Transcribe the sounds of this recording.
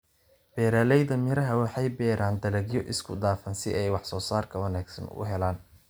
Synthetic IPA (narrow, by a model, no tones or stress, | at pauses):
b̥ɛːɾaːlɛjðɐmɪɾɐɦɐwɑħɑjbɛːɾʔaːnd̪ɐlɐɡjɔʔɪskʰʊd̪aːfɐnsɪʔɛjwɑħsɔːsaːrkʰɐwɑnaːɡsɐ̰nʊ̰ɦɛlaːn